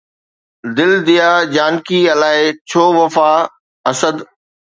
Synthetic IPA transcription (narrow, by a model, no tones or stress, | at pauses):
d̪ɪld̪ijaːd͡ʑaːnkiɐlaːɪt͡ɕʰoːʋɐfaː | ɐsəd̪